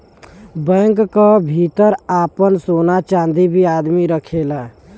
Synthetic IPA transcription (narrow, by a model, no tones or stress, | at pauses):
bɛ̃ːŋkkːabʱit̪əɾaːpənsoːnat͡ʃãːnd̪ibʱiaːd̪miɾəkʰeːlaː